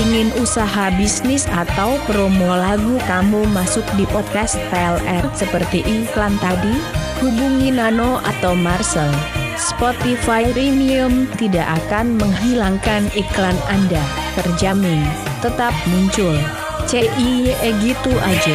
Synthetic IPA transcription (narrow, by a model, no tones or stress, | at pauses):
iŋɪnusaɦabisnɪsat̪awpɾomolaɡukamumasʊk̚dipɔt̪̚kast̪̚plɛrsəpərt̪iʔiklant̪adihubuŋinanoʔa̰t̪awmarsəl | spot̪ifajɾiniʊmt̪idaʔakanməŋɦilaŋkaniklananda | t̪ərd͡ʒamɪn | t̪ət̪ap̚muɲt͡ʃʊl | t͡ʃeʔieɡit̪uʔad͡ʒa